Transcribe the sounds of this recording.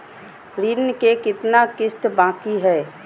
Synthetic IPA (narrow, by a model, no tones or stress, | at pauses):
ɾiːnəkekɪt̪nakɪst̪bãːkiɦɛː